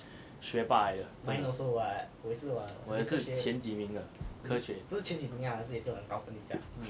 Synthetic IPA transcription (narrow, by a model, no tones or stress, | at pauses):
ɕɥɛpaɪdəaĩnosɔawɔs̩wɔɔəʂɻ̩t͡ɕʰjɛnt͡ɕimiŋdəkʰɤɕɥɛpuʂ̩t͡ɕʰjɛnt͡ɕipuŋjanaʂ̩jɛʂ̩ɔənkaʊfəniɕja̰